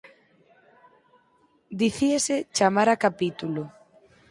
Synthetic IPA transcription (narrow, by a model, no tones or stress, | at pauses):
d̪iθieset͡ʃamaɾakapit̪ulo